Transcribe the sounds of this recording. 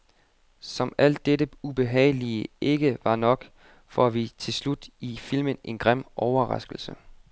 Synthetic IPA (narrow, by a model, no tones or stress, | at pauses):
sɒ̽mæl̰d̥ːedəub̥e̝ɦɛ̰ɪliəe̝ɡ̥əʋɑ̈nɒ̽ɡ̥ | fɒæʋit͡sʰe̝lslud̥ifil̰mənʔe̝nɡ̥ʁam̰ʔɒʊɐʁɑ̈sɡ̥l̩sə